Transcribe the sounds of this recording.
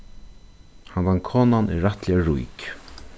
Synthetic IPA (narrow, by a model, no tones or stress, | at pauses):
hanvankʰɔːnanɪ̰ːaht̪lɪaɾṵjk